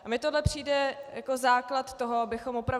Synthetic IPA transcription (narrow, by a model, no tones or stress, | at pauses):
ʔamɪt̪odlɛpr̥iːdɛjako̞zaːklat̪t̪o̞ɦo̞abɪxo̞mopɾav